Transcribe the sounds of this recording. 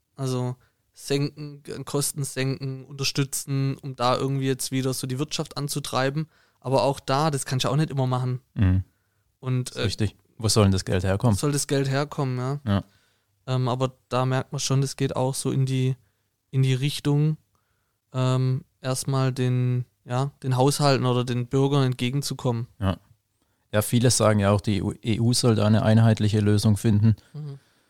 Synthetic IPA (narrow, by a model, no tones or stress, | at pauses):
ʔalzo | z̥ɛŋkŋ̩ɛ̰kʰɔstn̩z̥ɛŋkŋ̩ʔʊntɐʃtʏt͡sn̩ʔʊmd̥aːʔɪ̰ɐɡŋ̩tv̥iːjɛt͡stv̥iːɾɐzoːdiːvɪɐtʃaftʔant͡sutʁ̥a̰ɪbm̩ | ʔaːbɐaʊxd̥aːdaskʰançaʊxnɛtʔɪmɐmaχn̩m̩hm̩ | ʔʊntʔɛʁɪçtɪç | voːzɔlndasɡ̥ɛ̰ltheːɐkʰɔməz̥ɔldasɡ̥ɛltɦeːɐkʰɔmənjaːja | ʔɛːmʔaːbɐd̥aːmɛɐk̚t̚mɐnʃoːndasɡ̥eːta̰ʊxz̥oːɪndiː | ʔɪndiːʁ̞ɪçtʊŋ | ʔɛːmʔeːɐstmaːldeːn | jaːd̥eːnɦaʊshaltn̩ʔoːdɐdeːnbʏɐɡɐɛnt̚ɡ̥eːɡŋ̩t͡sukʰɔmənja | jaːfiːləz̥aːɡŋ̩jaaʊxd̥iːʔeːʔuːzɔlda̰ːɪnəʔa̰ɪnɦaɪtlɪçəløːzʊŋfɪndn̩